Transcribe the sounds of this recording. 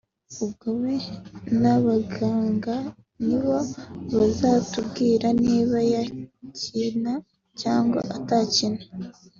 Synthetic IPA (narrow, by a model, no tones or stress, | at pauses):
ubɡoβenaβaɡaːŋɡa | niβo̞βazatubɡiːɾaniːβajacina | caːŋɡa̰ʔatacina